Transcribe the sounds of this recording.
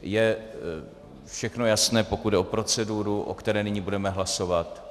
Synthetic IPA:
jɛ | fʃɛxno̞jasnɛːpo̞kud̪dɛopɾo̞t͡sɛduːɾuʔo̰kt̪ɛɾɛːnɪɲiːbudɛmɛɦlaso̞vat̪

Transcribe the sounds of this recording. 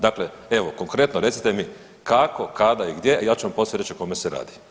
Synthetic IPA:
d̪akle | e̞ʋoko̞ŋkɾe̞t̪noɾe̞t̪si̥t̪e̞mi | kakʰo̞kad̪aiɡd̪je̞jaːt͡ʃuʋamposeɾet͡ʃioko̞meseɾa̰ːd̪i

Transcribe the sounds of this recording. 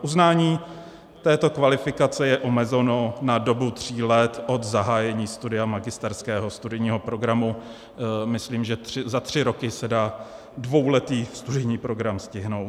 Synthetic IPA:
ʔuznaːɲiː | t̪ɛːt̪o̞kvalɪfɪkat͡sɛjɛʔomɛzɛno̞nado̞but̪r̝̥iːlɛt̪ʔo̞d̪zaɦaːjɛɲiːst̪udɪamaɡɪst̪ɛɾskɛːɦo̞st̪udɪjɲiːɦo̞pɾo̞ɡɾamu | mɪsliːmʒɛt̪rɪzat̪r̝̥ɪɾo̞kɪsɛdaː | dvo̞wlɛt̪iːfst̪udɪjɲiːpɾo̞ɡɾamscɪɦno̞w

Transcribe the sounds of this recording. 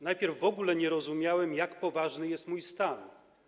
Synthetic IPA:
najpʲjɛɾvːɔɡulɛɲɛɾɔzumʲjawɛmjakpɔvaʐnɘjɛst̪mujst̪an

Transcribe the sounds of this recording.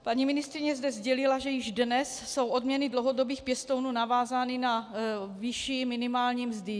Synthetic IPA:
paɲimɪnɪst̪ɾɪɲɛzdɛzɟɛlɪlaʒɛjɪʒdnɛsːo̞wʔo̞dmɲɛnɪdlowɦo̞do̞biːxpjɛst̪ownuːnavaːzaːnɪnaviʃimɪnɪmaːlɲiːmzdɪ

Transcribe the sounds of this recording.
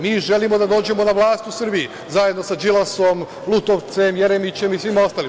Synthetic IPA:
miːʒe̞limo̞d̪ad̪o̞ːd͡ʑe̞mo̞naʋlˠaːst̪usr̩bii | zajed̪no̞sad͡ʒilˠaso̞m | lˠut̪oʋt̪se̞mje̞ɾemit͡ɕe̞misʋimo̞st̪aːlim

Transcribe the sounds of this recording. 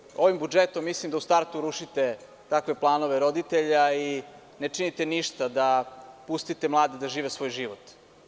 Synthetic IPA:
o̞ʋimbud͡ʒet̪omːislimd̪aust̪aɾt̪uɾuʃit̪e | t̪akʋe̞plˠaːno̞ʋeɾo̞d̪it̪eʎai | net͡ʃinit̪eniʃt̪ad̪apust̪it̪emlˠaːd̪id̪aʒiːʋesʋo̞ːjʒiʋot̪

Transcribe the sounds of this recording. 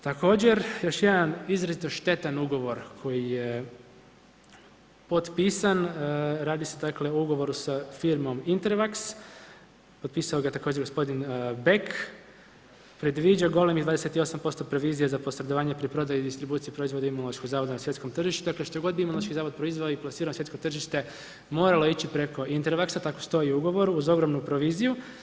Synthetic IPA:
t̪ako̞ːd͡ʑe̞ɾjo̞ʃjed̪anizɾazit̪oʃt̪e̞t̪anuɡo̞ʋo̞ɾkʰo̞jije | po̞t̪piːsanɾaːd̪ised̪akle̞ouɡo̞ʋo̞ɾusafiɾmo̞mint̪eɾfaks | pot̪piːsao̞ɡaet̪akod͡ʒeɾɡospo̞d̪inbek | pɾe̞d̪ʋid͡ʑaɡo̞lemid̪aːd̪eset̪io̞sampo̞st̪opɾo̞ʋiːzijezapo̞sɾed̪oʋaːɲepɾipɾo̞d̪ajud̪ist̪ɾibuːt̪sijipɾo̞izʋo̞d̪imunlˠoʃkoɡzaːʋo̞d̪anasje̞t̪ko̞mt̪r̩ʒiʃt̪ud̪akle̞ʃt̪oɡo̞d̪biimunlˠoʃkizaːʋo̞d̪̚pɾo̞izʋaoiplasiɾaonsʋjet̪kot̪r̩ʒiʃt̪e̞ | mo̞ːɾalo̞it͡ɕipɾe̞ko̞int̪eɾʋaksat̪ako̞st̪o̞iuɡo̞ʋo̞ɾuuzo̞ɡɾomnupɾo̞ʋiːziju

